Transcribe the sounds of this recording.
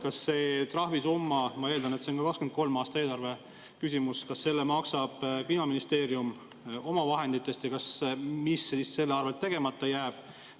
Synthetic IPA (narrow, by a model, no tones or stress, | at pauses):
kɑsːe̞ːt̪rɑhvisumːɑmɑe̞ːld̪ɑnet̪seo̞nkɑkɑkskyenko̞lmɑːst̪ɑeːlɑrve̞ | kysʲimuskɑsːe̞lːemɑksɑb̥piːnɑminist̪e̞ːɾjum | o̞mɑvɑɦe̞nd̪̥it̪ːˑe̞st̪jɑkɑsmisesist̪se̞lːeɑrvet̪ːe̞ɡ̥e̞mɑt̪ːˑɑjæːb̥